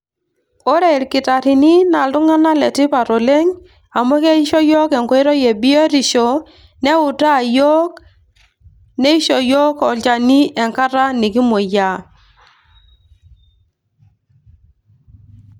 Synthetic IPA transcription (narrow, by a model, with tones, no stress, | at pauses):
ɔ˦ɾɛ˦˨ɪ˨ɾkɪ˨ta˨ɾi˨ni˦na˨lʊ˦ŋa˦na˦lɛ˨ti˦pa˨ɾo˨le˦ŋ | a˨mɔ˦kɛ˦i˦ʃɔ˦jɔ˦kɛ˨ŋkɔ˦i˦ɾɔ˦je˨bi˦ɔ˦ɾi˨ʃɔ˨ | nɛ˦ʊ˨ta˦˨jɔ˦k | nɛ˦i˦ʃɔ˨jɔ˦kɔ˨lt͡ʃa˨ni˦ʔɛ˨ŋka˦ɾa˦ni˨ki˦mo˨ja˨